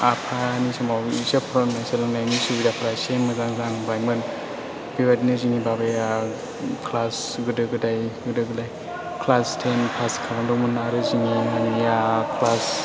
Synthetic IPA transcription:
apʰanisɔmawisepʰɾɔmnajselɯŋnajnisubidapʰaɾajsenmɯzaŋzaŋbajmɯn | b̥ibadinɯzinibabeja | kʰlas | ɡɯdɯɡɯdajɡɯdɯɡɯdaj | kʰlastʰenpʰaskʰalandɔmɯnaɾɯziniŋanijakʰlas

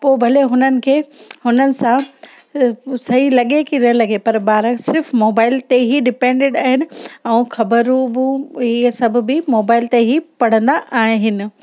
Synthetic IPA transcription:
poːbʱɐleɦʊnənɪ̆kʰeːhʊnənɪ̆sã | sɐɦilɐɠekinɐlɐɡepɐɾbaːɾəksɪɾfmoːbaːɪlt̪eɦiɖɪpẽːɳɖeɖaːɦɪnɪ̆ɛ̃ːxɐbəɾubũɦiːəsɐbʱʊ̆bɪmoːbaːɪlt̪eɦipɐɽ̤ə̃nd̪aʔaːɦɦɪnɪ̆

